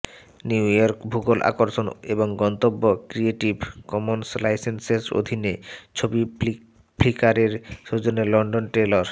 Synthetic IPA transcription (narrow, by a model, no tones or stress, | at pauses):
niwjɔɾkbʱuɡolʔa̰koɾʃoneboŋɡɔnt̪obːokɾieʈibkɔmonslajsenseso̰d̪ʱinet͡ɕʰobi | plikaɾeɾʃod͡ʑonelɔɳɖonʈeloɾ